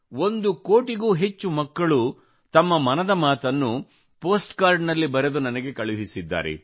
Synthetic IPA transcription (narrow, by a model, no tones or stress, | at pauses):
o̞nd̪uko̞ːʈiɡuːɦe̞t͡ʃːumɐkːɐɭu | t̪ɐmːɐmɐnɐd̪ɐmaːt̪ɐnːu | po̞ːsʈkaːɾɖnɐlːibɐɾed̪unɐnɐɡe̞kɐɭuɦisid̪ːa̰ːɾḛ